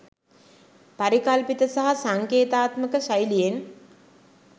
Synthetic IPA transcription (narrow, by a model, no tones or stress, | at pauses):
paɾikalpit̪əsaɦasaŋkeːt̪aːt̪məkəʃajlijen